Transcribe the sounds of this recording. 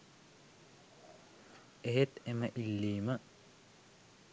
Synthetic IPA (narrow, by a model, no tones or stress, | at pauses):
eɦet̪emɐʔilːiːmɐ